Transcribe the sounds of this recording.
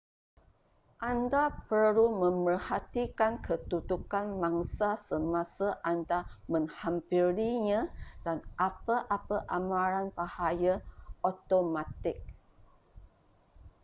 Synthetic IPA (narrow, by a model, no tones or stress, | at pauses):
ʔandapəɾumə̃mərhat̪ikankʰət̪ut̪ukanmãŋsasəmãsaʔandamə̃ŋhampiɾiɲãd̥anʔapəʔapəʔamãɾanbahajaʔot̪omat̪ɪk̚